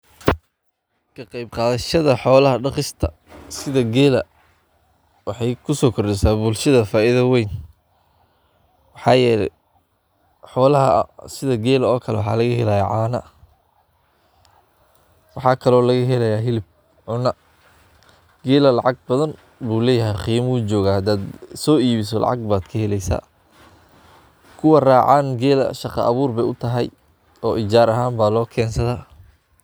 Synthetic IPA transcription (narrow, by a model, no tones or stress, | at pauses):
kʰɐqɑjbqɑːðɐʃɐðɐħɔːlɐɦɐɖɑχɪst̪ʰɐ̰ | sɪðɐɡɛːlɐ̰ | wɑħɑjkʰʊsɔːkʰɔrɖɛsaːbʊlʃɐðɐfaːʔɪðɐwɛjn | wɑħɑːjɛːlɛ̰ | ħɔːlɐɦɐ̰sɪðɐɡɛːlɐɔːkʰɐlɛwɑħɑ̰ːlɐɣɐhɛlɐjaːʕɑːnɐ̰ | wɑħɑːkʰɐlɔːlɐɣɐɦɛlɐjaːɦɪlɪb̚ | ʕʊnɐ | ɡɛːlɐlɑ̰ʕɑɡ̚bɐðɐn | buːlɛːjɐɦɛjqiːmuːd͡ʒɔːɣaːhɐd̪aːd̪sɔːiːβɪs̬ɔlɑ̰ʕɑ̰ɡ̚baːd̪̥kʰɐhɛlɛjsa̰ː | kʰʊwɐraːʕaːnɡɛːlɐ̰ʃɑqɑ̰ʔɐ̰βuːrbɛjʊt̪ʰɐɦɛj | ɔːʔɪd͡ʒaːɾɐɦaːmbaːlɔːkʰɛːnsɐðaː